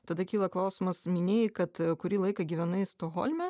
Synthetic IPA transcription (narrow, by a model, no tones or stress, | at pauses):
t̪ɐd̪ɐkʲiːlˠɐklˠɐʊsʲɪmɐsmʲɪnʲeːjɪkɐt̪kʊɾʲiːlˠɐɪkɐɡʲiːʋʲɛnɐɪst̪oɣo̰lʲmʲɛ